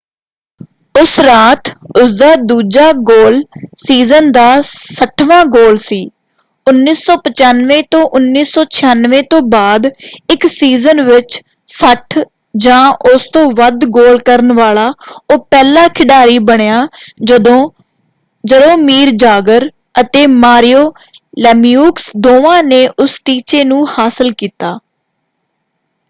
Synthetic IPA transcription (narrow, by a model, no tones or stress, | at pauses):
ʊsɾaːt̪ʊsd̪aːd̪uːd͡ʒaːɡoːlsiːzənd̪aːsəʈʰʋãːɡoːlsiː | ʊnːiːsːɔːpət͡ʃaːnʋẽːt̪õːʔʊnːiːsɔːt͡ʃʰɪjaːnʋẽːt̪õːbaːd̪ɪksiːzənʋɪt͡ʃ | səʈʰ | d͡ʒãːʔʊst̪õːʋəd̪ɡoːlkəɾənʋaːlaːoːpɛːlãːkʰɪɖaːɾiːbəɽejaːo | d͡ʒəd̪õːmiːɾd͡ʒaːɡəɾ | ət̪eːmaːɾɪjoː | lɛːmijuːksd̪oːʋãːneːʔʊsʈiːt͡ʃeːnũːhaːsəlkiːt̪aː